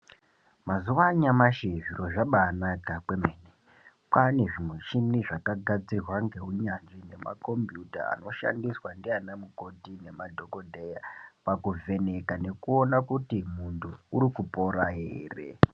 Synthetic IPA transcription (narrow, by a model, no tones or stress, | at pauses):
mazuʋaɲamaʃeʐiro̞ʐaɓaːnakakwe̞meːne | kaneʐimwuʃimiʐakaɡʱad͡zirwaŋɡe̞ɦuɲanʐine̞ma̰ko̞mbjuta̰a̰no̞ʃa̰ndiswandianamuko̞tine̞madʱo̞kodʱejapakuve̞ne̞kane̞kuo̞nakutimuntʰuuɾikupo̞ɾaɦeːre̞̰